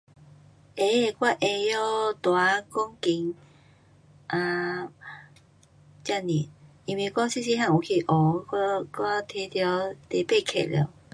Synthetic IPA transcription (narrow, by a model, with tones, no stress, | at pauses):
ʔe˨˦e˨˩kwa˦˧˩ʔe˧jɔ˦˧t̪wa˨˧˦kɔ˦ŋki˨˧˦ŋ | ʔã˧ | t͡ɕa˥˧˨ni˨˩ | i˧˨˩mwi˨˧˩kɔ˦ŋsi˥˧ɕi˧ɦã˥˨u˨˩kʰi˨˩ʔɔ˨˦a˦˧ka˦t̪ʰe˧t̪jɔ˨˧˦t̪e˨pe˥˧˨kʰḛ˨ljɔ̰˨˧˦